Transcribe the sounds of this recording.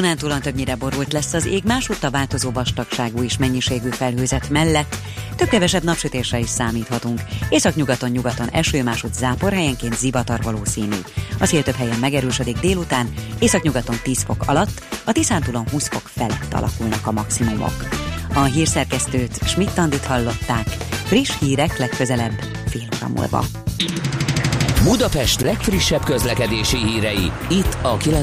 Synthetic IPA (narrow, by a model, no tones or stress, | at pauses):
unaːnt̪ulont̪øbɲiɾɛbo̞ɾult̪lɛsːɒzeːɡmaːʃut̪ːɒvaːlt̪o̞zoːvɒʃt̪ɒkʃaːɡuːeːʃmɛɲːiʃeːɡyːfɛlɦøːzɛt̪mɛlːɛt̪ː | øb̚kɛvɛʃɛbnɒpʃøt̪eːʃrɛiʃsaːmiːt̪hɒt̪uŋkeːsɒkɲuɡɒt̪o̞ɲɲuɡɒt̪o̞nɛ̰ʃøːmaːʃut̪zaːpo̞rɦɛjɛŋkeːnt̪zivɒt̪ɒrvɒloːsiːny̰ːɒsheːlt̪øpɦɛjɛmːɛɡɛɾøːʃød̪iɡd̪eːlut̪aːneːsɒkɲuɡɒt̪o̞nt̪iːsfo̞kɒ̰lɒt̪ːɒt̪isaːnt̪ulo̞nɦuːsfo̞kfɛlɛt̪ːɒ̰lɒ̰kulnɒkɒmɒksimumo̰kɒɦiːrsɛrkɛst̪øːt̪ʃmit̪ːɒnd̪it̪hɒlːo̞t̪ːaːkfriʃhiːɾɛklɛkːøzɛlɛbː | feːlhoɾɒ̰mṵlbɒ̰ | bud̪ɒpɛʃt̪lɛkfriʃːɛbkøzlɛkɛd̪eːʃihiːɾɛji | it̪ːɒkilɛ